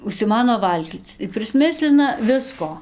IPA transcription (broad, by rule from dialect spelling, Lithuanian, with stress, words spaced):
ʊʃʲsʲɪˈmɑːnoː ˈʋɐlʲɡʲiːt͡s ɪr pʲrʲɪsʲˈmʲɪsʲlʲɪnɐ ˈʋʲɪskoː